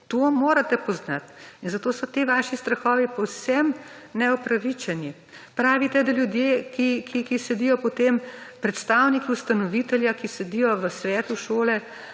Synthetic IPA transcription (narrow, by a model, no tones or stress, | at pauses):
t̪omoːɾat̪ɛpɔznat̪inzat̪oːsɔt̪eʋaʃist̪ɾɐxɔːʋipɔwsɛmnɛɔpɾaʋit͡ʃɛni | pɾaːʋit̪ɛd̪aljud̪jeːkikʰikisɛd̪ijɔpɔt̪empɾɛt̪st̪awnikiust̪anɔʋit̪ɛljakisɛd̪ijɔʋəsʋɛːt̪uʃoːlɛ